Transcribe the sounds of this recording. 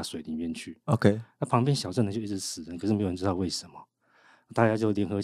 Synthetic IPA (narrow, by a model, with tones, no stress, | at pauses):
swe˨˩ɪli˨˦njɛ˥˧˨nt͡ɕʰy˥˩o˨˧kʰe˥˧na˥˨pʰɑ˧˥ŋp̬jɛ˥˨nɕjɑ˨˩ʊʈ͡ʂə˥˩nd̪ə˨t͡ɕji˥˩ʈ͡ʂ̩˧sɹ̩˨˩ə˦nkʰʂɻ̩˥˩e˧˥jə˧˦˥ɻɨ˥ɑ˥˧ʊwe˥˩ɪʂə˨˦mɔ˨˩ | na˥˧t̪a˥˧t͡ɕja˥t͡ɕjo˥˧ʊljɛ˧˥nxɤ˧